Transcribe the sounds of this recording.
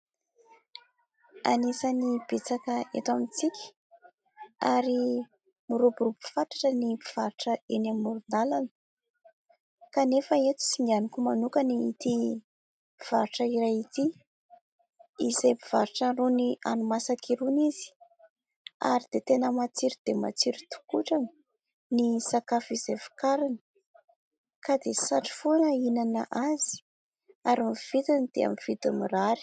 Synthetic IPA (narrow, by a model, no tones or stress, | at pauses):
a̰nisanib̥et͡sakəḛt̪amit͡sikʲi̥ | aɾi | muɾubuɾupi̥faʈ͡ʂḁʈ͡ʂənipiv̥aɾuʈ͡ʂəenamːuɾund̪alanə̥ | kanefəet̪u̥siŋɡanikumanukaniːt̪i | piv̥aɾuʈ͡ʂəiɾajit̪i | izejpiv̥aɾuʈ͡ʂənrunia̰numasakiɾuniz̥i̥ | a̰ɾid̪̥et̪enəmat͡siɾid̪ema̰t͡siɾit̪u̥kuʈ͡ʂani | nisakafiz̥efi̥kaɾanə̥ | kad̪esaʈ͡ʂi̥fonəinanaʔaz̥i̥ | aɾamiv̥it̪anid̪̥ḛa̰miv̥it̪amiraɾi̥